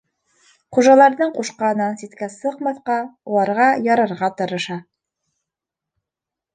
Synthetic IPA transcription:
χuʒɑlˠɑɾðɤɴquʃqɑnɑnsit̪kæsɤqmɑθqɑulˠɑɾʁɑjɑɾɑɾʁɑt̪ɤ̆ɾɤ̆ʃɑ

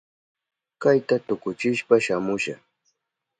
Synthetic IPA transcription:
kajt̪at̪ʊkʊt͡ʃɪʃpaʃamʊʃa

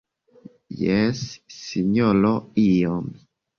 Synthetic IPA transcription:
jɛsːiɲɔlɔijɔm

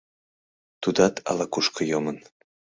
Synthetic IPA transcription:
t̪ud̪ɑt̪ʰɑ̰lɑkuʃkɤjomən

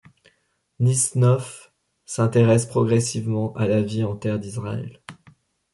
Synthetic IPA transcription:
nisnɔf | sɛ̃t̪eʁɛspχɔɡʁɛsivmɑ̃ʔalaviɑ̃t̪ɛʁd̪isʁaɛ̰l

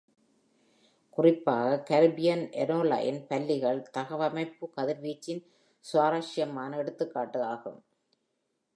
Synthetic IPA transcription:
kʊrɪpːaːɣɐkɐɾbɪjɐnʔɛɾoːla̰ːjɪnpɐlːɪɣɐɭt̪ɐɣɐʋɐmɐɪpːɯkɐðɪɾʋiːt͡ʃːɪn | sʊʋaːɾaːʂɪjɐmaːnɐɛɽɯt̪ːɯkːaːʈːɯaːɣɯ̰m

